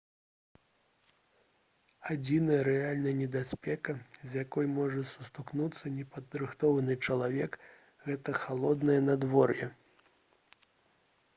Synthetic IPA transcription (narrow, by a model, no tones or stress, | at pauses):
ad͡zʲinɐjɐɾɛalʲnɐjɐnʲɛd̪asʲpʲɛkɐzʲjakɔjmɔʐɐsust̪uknut̪sːɐnʲɛpɐd̪ɾɨxt̪ɔvɐnɨt͡ʂɐlˠavʲɛk | ɣɛt̪ɐxalˠɔd̪nɐjɛnad̪vɔrjɛ